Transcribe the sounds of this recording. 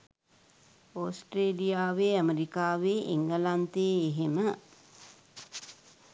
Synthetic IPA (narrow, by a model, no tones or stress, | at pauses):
osʈreːlijaːʋeːəmeɾikaːʋeːʔiŋɡəlant̪eːɦemə